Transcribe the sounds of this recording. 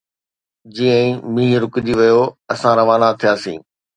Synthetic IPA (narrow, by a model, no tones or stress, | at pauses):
d͡ʑiːə̃ĩmĩːɾʊkɪd͡ʑiʋɐjoɐsãɾɐʋaːnat̪ʰijaːsḭ̃ː